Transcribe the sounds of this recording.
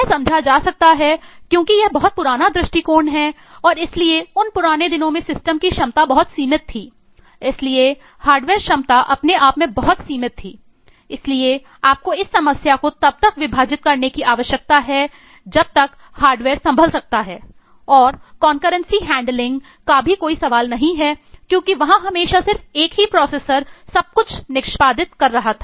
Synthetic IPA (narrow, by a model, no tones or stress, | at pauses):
jɛsɐ̃md͡ʒʱad͡ʒaːsɐk̚t̪aɦɛkjõːkijɛɦbɐɦʊt̪̚pʊɾaːnad̪ɾɪʃʈikoːɾnɦɛ | ɔːɾɪslieʊnpʊɾaːned̪ɪnõmẽsɪsʈəmkiʃɐmt̪abɐɦʊt̪siːmɪt̪ʰːiː | ɪslie | haːɾɖʋeːɾʃɐmt̪aʔɐpneaːpmẽbɐɦʊt̪siːmɪt̪ʰːiː | ɪslie | aːp̚koɪsːɐməsjakot̪ɐb̚t̪ɐkʋɪbʱaːd͡ʒɪt̪̚kɐɾnekiʔaːʋəʃjək̚t̪aɦɛ | d͡ʒɐb̚t̪ɐk | haːɾɖʋeːɾsɐ̃mbʱəlsɐk̚t̪aɦɛː | ɔːɾkɔːnkəɾə̃nsiɦɛ̃ːɳɖlɪ̃ŋɡ | kabʱikoːisɐʋaːlnɐɦĩɦɛkjõːkiʋɐɦãɦɐmeːʃasɪɾfeːkɦipɾɔːseːsəɾsɐb̚kʊt͡ʃʰnɪkʃpaːd̪ɪt̪kɐɾːɐɦat̪ʰḁː